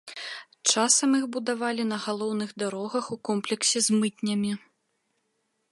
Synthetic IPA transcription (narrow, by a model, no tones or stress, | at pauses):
t͡ʂasɐmixbud̪avalʲinɐɣalˠɔwnɨɣd̪aɾɔɣɐxukɔmplʲɛksʲɛzmɨt̪̚ʲnʲɐmʲi